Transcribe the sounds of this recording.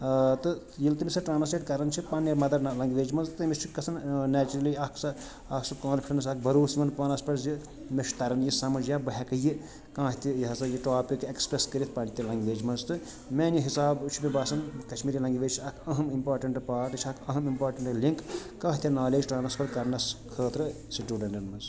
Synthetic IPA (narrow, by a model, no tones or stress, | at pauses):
t̪ɨ | jilt̪imisɐʈɾaːnɐspeʈkɐɾɐnt͡ʃʰipɐnimɐd̪ɐɾlɐŋɡʋeːd͡ʒmɐnzt̪ɐmist͡ʃʰikɐsʰɐnnɛːt͡ʃuɾɐlijɐkʰsɐ | ɐksɐkãːnpʰʲʈɐns̬ɐk̚ʰbɐɾuːsmɐnpɐnɐspɐɾzi | meʃt̪ɐɾɐnjisɐmɐd͡ʒjaːbɐɦʲekɐji | kãːɦt̪ijɐɦɐsɐjiʈaːpikekspɾeskɐɾit̪̚ʰpɐnit̪ilɐŋɡʋeːd͡ʒmɐnzt̪ɨ | meːniɦisaːbt͡ʃʰimibaːsɐnkɐt͡ʃʰmiːɾilɐŋɡʋeːd͡ʒt͡ʃʰiɐkʰɐɦɐmimpaːɾʈɐɳʈpaːʈt͡ʃʰɐkʰɐɦɐmimpaːɾʈɐɳʈliŋkː | ãːɦt̪inaːleːd͡ʒʈaːnɐspʰɐɾkɐɾnɐskʰəːt̪ɾɨ | siʈjuːɖɐɳɖɐnmɐnz